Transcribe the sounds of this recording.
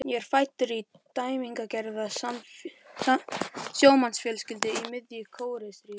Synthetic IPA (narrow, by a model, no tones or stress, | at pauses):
jɛɾ̥faːjt̪ʏɾi | t̪aːjmiŋkacɛɾðaa | sjoːwmansfjɛlscɪlt̪ɪimɪðjʏkʰoːwɾɪsɾiː